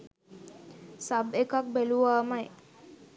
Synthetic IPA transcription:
sabekak̚beluʋaːmaj

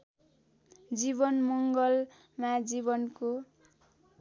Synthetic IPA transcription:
d͡ziβʌnmʌŋɡʌl | mad͡ziβʌnko

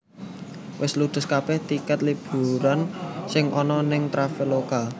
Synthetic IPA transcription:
wʔɪslud̪̥ə̤skab̥ɛht̪ikət̪lib̥ṳɾansɪŋʔɔnɔnɪŋt̪ɾafɪlokal

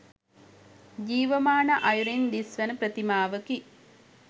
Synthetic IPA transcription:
d͡ʒiːʋəmaːnəʔajuɾind̪isʋənəpɾət̪imaːʋəki

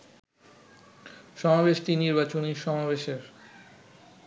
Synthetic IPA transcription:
ʃɔmabeʃʈ̪iniɾbat͡ɕoniʃɔmabeʃeɾ

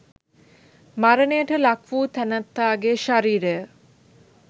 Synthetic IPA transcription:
maɾənejəʈɐlakʰʋuːt̪ʰɛnat̪ːaːɡeʃaɾiːɾeə

